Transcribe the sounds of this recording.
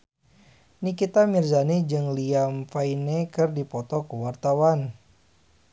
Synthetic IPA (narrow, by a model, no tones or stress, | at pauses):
nikit̪amirzaned͡ʒɨŋliamfainekɨrdipɔt̪ɔkuwart̪awan